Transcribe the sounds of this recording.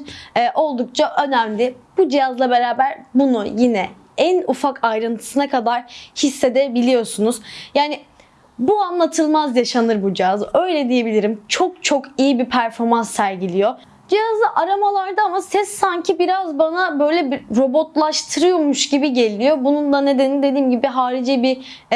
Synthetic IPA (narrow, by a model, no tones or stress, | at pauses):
ʔo̞lˠd̪uk̚t͡ʃʰaʔø̞næmlʲɪb̥ud͡ʒijazlˠabe̞ɾaːbæɾbunujinɛ | ænufakʰajɾɯnt̪ʰɯ̥sɯnakʰad̪aɾ̥hisːe̞d̪ebilʲijo̞sunuz̥jaːnɪ | buanlˠat̪ʰɯlˠmazjaʃanɯɾbud͡ʒijazø̞jlʲɛd̪ije̞bilʲiɾimt͡ʃʰo̞k̚t͡ʃʰo̞kijibipʰæɾfo̞ɾmansːæɾɟilʲijo̞ | d͡ʒijazlˠaʔaɾamalˠaɾd̪aamasɛsːaɲcʰibiɾazbanabø̞jlʲɛbiɾo̞bo̞t̪lˠaʃt̪ʰɯɾɯjomuʃɟibiɟe̞lʲijo̞bunund̪ane̞d̪enind̪e̞d̪iːmɟibiɦaːɾid͡ʒɛbi